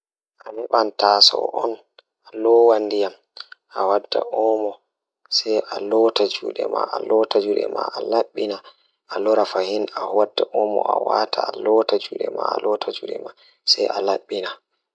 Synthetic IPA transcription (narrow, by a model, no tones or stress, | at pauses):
ʔamiɓantasɔ̰ʔɔn | alɔwanːdijam | ʔawadːaʔɔmɔ | sɛjʔalɔtad͡ʒuɗɛma̰ʔalɔtad͡ʒuɗɛ̰maʔalaɓːina | ʔalɔɾafahinawadːaʔɔmɔ̰ʔawatʰaːlɔtad͡ʒuɗɛmaalɔtʰad͡ʒuɗɛma | sɛjʔalaɓːina